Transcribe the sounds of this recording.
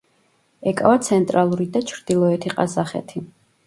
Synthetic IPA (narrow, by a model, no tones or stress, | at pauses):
ɛkʼavat̪sʰɛnt̪ʼɾalˠuɾid̪at͡ʃʰɾd̪̥ilˠɔɛt̪ʰiqʼazaχɛ̰t̪ʰi